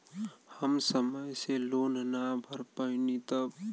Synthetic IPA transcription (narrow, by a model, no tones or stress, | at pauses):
həmsəməjseloːnnabʱəɾpəɪnit̪əb